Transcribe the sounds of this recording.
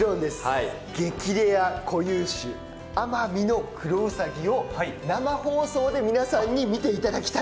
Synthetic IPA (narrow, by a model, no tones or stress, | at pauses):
ɾõnd̪e̞sɨ̥ | ɡe̞kʲiɾe̞akʰo̞jɯ̟̃ɰɕɨ | amamʲino̞kɯ̟ɾoɯsaɡʲio̞namaho̞ːso̞ːd̪e̞mʲinasãɲ̟ːimʲit̪e̞it̪ad̪akʲi̥t̪a